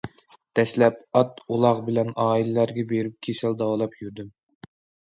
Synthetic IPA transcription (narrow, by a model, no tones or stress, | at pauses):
d̪̥ɛʃlɛpɑt̪ulˠɑʁbɪlɛnɑːilɪlæɾɡʲɛbeɾyp̚kʲʰesɛlˠd̪ɑwɑlˠɑpjyɾd̪ym